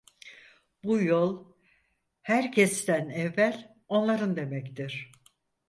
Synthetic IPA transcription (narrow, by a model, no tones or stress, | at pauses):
bujolˠ | hæɾcʰɛst̪ænɛvːælʲ | o̞nlˠaɾɯnd̪e̞mɛct̪iɾ̝̥